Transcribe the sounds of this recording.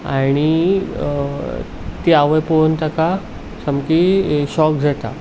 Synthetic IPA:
a̰ɽ̃i | t̪iaʋəjpont̪aka | samkiɕɔk̚d͡zʱat̪a̰

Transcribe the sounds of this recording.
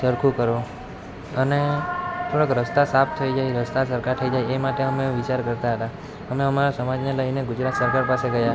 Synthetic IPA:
səɾkʰũkəɾo | ənet̪ʰoɽəkɾəst̪asapʰt̪ʰəid͡ʒajɾəst̪asəɾkaɾt̪ʰəid͡ʒajemaʈeəmeʋɪt͡ʃaɾkəɾt̪aɦət̪a | əmeəmaɾasəmad͡ʒneləineɡʊd͡ʒɾat̪səɾkaɾpaseɡəja

